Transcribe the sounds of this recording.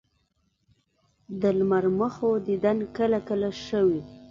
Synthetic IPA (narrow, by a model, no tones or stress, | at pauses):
d̪əlmaɾməxod̪id̪ankəlakəlaʃəwi